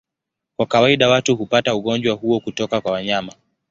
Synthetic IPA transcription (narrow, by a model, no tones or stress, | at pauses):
kwakawaiɗawatuhupatauɠɔɲd͡ʒwahuɔkutɔkakwawaɲama